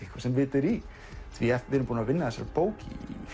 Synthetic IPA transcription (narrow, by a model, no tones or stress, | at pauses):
ihkvḁsɛmvɪːt̪ɛɾi | t̪ʰviɛfvɛɾʏmpuːnavɪnːaðɛsaɾpoːwcḭ